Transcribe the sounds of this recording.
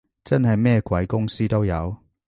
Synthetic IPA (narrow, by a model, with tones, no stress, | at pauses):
t͡sɐ˥nɦɐ˨jmɛː˥˧kwɐ˨˥jkʊ˥ŋsiː˥t̪o˥wjɐ˨˧w